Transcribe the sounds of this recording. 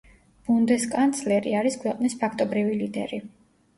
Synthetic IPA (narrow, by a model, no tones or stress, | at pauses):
b̥und̪ɛskʼant̪sʰlɛɾiaɾiskʰwɛqʼnispʰakʰt̪ʼɔbɾivilid̪ɛ̰ɾi